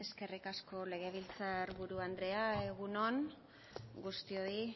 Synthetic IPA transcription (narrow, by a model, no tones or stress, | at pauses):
e̞ske̞rikasko̞le̞ɣ̞e̞β̞ilt͡saɾβuɾuand̪ɾe̞ae̞ɣuno̞n | ɡust̪io̞ɾi